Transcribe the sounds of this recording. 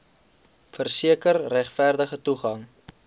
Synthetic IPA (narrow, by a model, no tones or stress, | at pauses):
fərsiəkərːæχfæːrdəχətuχɐŋ